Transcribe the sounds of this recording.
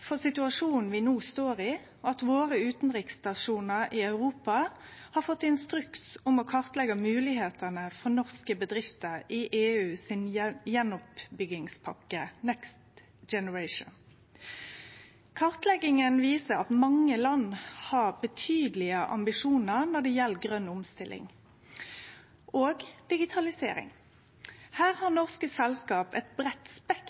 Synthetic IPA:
fɔsɪt̪ʉɑʂuːnn̩ʋɪnuːst̪oːɾɪ | ʔɑt̪ʋoːɾəʉːt̪n̩ʁɪkst̪ɑʂuːnəɾɪɑʉɾuːpɑ | hɑːfɔt̪ːɪnst̪ɾʉksʊmɔkʰɑʁt̪lɛɡəmʉːlɪheːt̪ənəfɔnɔʁskəbəd̪ɾɪft̪əɾɪʔeːʉːsɪnjɛnʊpbʏɡɪŋspʰɑkːənɛkst̪ | d͡ʒɛnəɹæɪʃə̰n | kʰɑʁt̪lɛɡɪŋənʋiːsəɾɑt̪mɑŋːəlɑnhɑʁbət̪ʰyːd̪lɪəʔɑ̰mbɪʂuːnəʁnɔd̪ɛjɛlːɡʁœnːʊmst̪ɪlʔɪ̰ŋ | ʔoːɡd̪̥ɪɡɪt̪ʰɑlɪsḛːɾɪ̰ŋ | hæːʁhɑʁnɔʁskəsɛlskɑːpɛ̰t̪bʁɛt̪spɛk

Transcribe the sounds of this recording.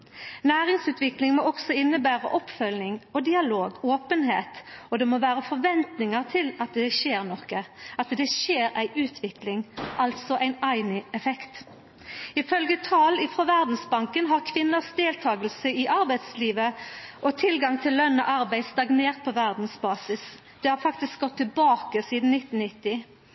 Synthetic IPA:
næːʁɪŋsʉːt̪ʋɪklɪŋmɔɔksɔɪnːəbæːʁə̰ʔɔpfœlnɪŋɔd̪ɪɑloːɡoːpənheːt̪ɔd̪ɛmɔʋæːʁəfɔʁʋɛnt̪nɪŋəʁt̪ʰɪlɑt̪d̪ɛʃeːʁnɔkːəɑt̪d̪ɛʃeːɾæɪʔʉːt̪ʰʋɪklɪŋʔɑlt̪sɔʔæɪnæɪnɪɛfɛkt̪ | ɪfœlɡət̪ʰɑːlɪfɾɔʋæʁd̪n̩sbɑŋkənɦɑʁkʰʋɪnːəʁsd̪eːlt̪ʰɑːɡəlsəɪʔɑɾbæɪt̪sliːʋəʔɔt̪ʰɪlɡɑŋt̪ʰɪlːœnːɔ̰ʔɑɾbæɪst̪ɑɡneːʁt̪̚pʰɔʋæʁd̪n̩sbɑːsɪs | d̪̥ɛhɑɾfɑkt̪ɪskɡɔt̪ʰːɪlbɑːkəsiːd̪n̩nɪt̪ːn̩nɪt̪ːɪ

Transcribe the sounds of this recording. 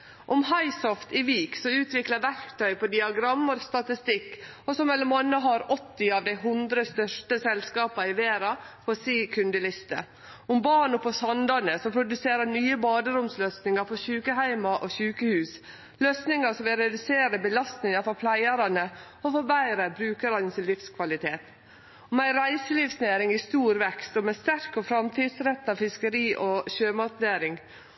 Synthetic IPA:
ʔɔmhɑɪsɔft̪ɪʋiːksɔʉːt̪ʰʋɪkləʋæɾkt̪ʰœʏpɔd̪ɪɑɡɾɑmːəɾst̪ɑt̪ɪst̪ɪkː | ɔsɔmɛlːəɾmɑnːəɦɑɾɔt̪ːɪɑʋd̪æɪɦʉnd̪ɾəst̪œʂʈəsɛlskɑːpɑɪʋeːɾɑpʰɔsiːkʰʉnd̪əlɪst̪ə̰ | ʊmbɑːɳɔpɔsɑnd̪ɑnəsɔmpʰɾʊd̪ʉseːɾənyːəbɑːd̪əɾʊmsløːsnɪŋɑɾfɔɾçʉːkəhæɪmɑʔoçʉːkəhʉːs | løːsnɪŋɑsɔmʋɪlɾɛd̪ʉseːɾəbəlɑst̪nɪŋɑɾfɔɾpʰlæɪəɾɑnə | ɔfɔɾbæɪɾəbɾʉːkəɾɑnəsɪlɪfskʰʋɑlɪt̪ʰeːt̪ | ɔmæɪɾæɪsəlifsneːɾɪŋɪst̪uːɾʋɛkst̪ɔmɛst̪æɾkɔfɾɑmt̪ʰiːd̪sɾɛt̪ːɑʋfɪskəɾiːʔɔɕøːmɑt̪neːɾɪŋ

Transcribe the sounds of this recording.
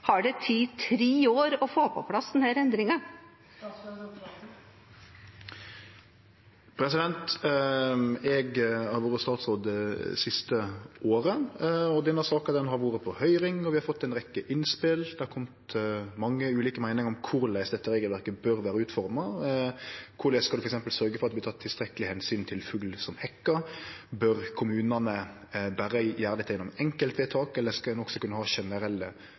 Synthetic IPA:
hɑɖɛt̪ʰit̪ʰɾiːoːɾɔfoːpʰɔpʰlɑsd̪ɛnhæːɾɛnd̪ɾɪŋɑ | pʰɾɛsɪd̪ɛnt̪ | ɛɡɑɾʋuːɾəst̪ɑːt̪sɾoːd̪ɛsɪst̪əoːɾəɔd̪ɛnːəsɑːkɑd̪ɛnɦɑɾʋuːɾəpʰɔhœʏɾɪŋɔʋɪhɑɾfɔt̪ːɛɪnɾɛkːəʔɪnspɪld̪̥ɛɑɾkʰɔmt̪mɑŋːəʉːliːkəmæɪnɪŋɔmkʰʊɾlæɪsd̪ɛt̪ːəɾeːɡəlʋæɾkəbœɾʋæːɾəʉːt̪fɔɾmɑ | kʰʊɾlæskɑlʉfɾɛksɛmpəlsœɾɡəfɔɾɑt̪d̪b̪t̪ʰɑːt̪ʰːɪst̪ɾɛkəlɪhɛnsyːnt̪ʰɪlfʉɡlsɔmhɛkːəbœɾkʰʊmʉːnɑnə | bæːɾəjæːɾɑd̪ɛt̪ʰːjɛnːʊmɛŋkəlt̪ʋeːt̪ʰɑːkɛlːəskɑd̪ɛnɔksɔkʉnːəhɑːʃɛnəɾɛlːə

